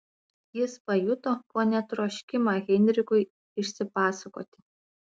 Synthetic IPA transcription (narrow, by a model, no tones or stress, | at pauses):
jɪspɐjut̪opoːnʲɛt̪ɾoːʃʲkʲɪmaɣʲɛnʲɾʲɪkʊɪ | ɪʃʲsʲɪpɑːsɐko̰ːt̪ʲɪ̥